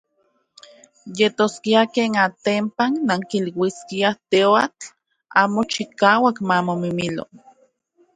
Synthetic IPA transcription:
jet̪oskiakeːnat̪empanːaŋkilwiskiat̪eoat͡ɬ | aːmot͡ʃikaːwakmamomimilo̰

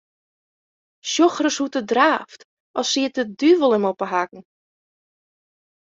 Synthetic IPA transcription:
ʃjoxrəshutədraːft | ʔɔsiət̚ədyvəlˠəmopəɦakŋ̩

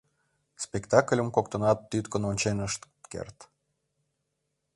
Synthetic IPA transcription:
spʲekt̪ɑklʲə̆mkokt̪ə̆nɑt̪ːyt̪kənonʲt͡ɕenəʃt̪kḛrt̪

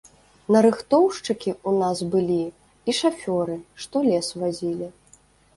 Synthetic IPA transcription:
nɐɾɨxt̪ɔwʂt͡ʂɨkʲiunazbɨlʲi | iʂafʲɔɾɨʂt̪ɔlʲɛsvazʲilʲi

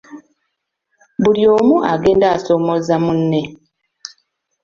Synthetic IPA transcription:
βuljo̞ːmuʔaɡe̞ːndaːso̞ːmo̞zamunːe̞

